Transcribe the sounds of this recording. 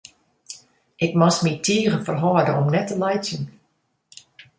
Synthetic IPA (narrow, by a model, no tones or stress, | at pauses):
ʔɪkmɔsmitʰiəɣəfərɦɔːdəɔmnɛtːəlɛjsjən